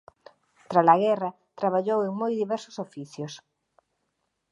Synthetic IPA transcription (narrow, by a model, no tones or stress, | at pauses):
t̪ɾalaɣɛra | t̪ɾaβ̞aʎoweŋmojðiβɛɾsʊ̥sofiθjos